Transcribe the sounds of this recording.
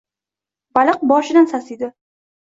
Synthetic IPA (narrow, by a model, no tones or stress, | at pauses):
balˠɨq̚bɒʃɪd̪ansasid̪ɪ